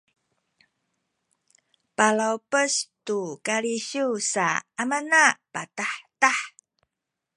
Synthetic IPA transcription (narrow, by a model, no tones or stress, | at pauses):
palawpəstukaɾiɕusa̰ːmanapataħtaħ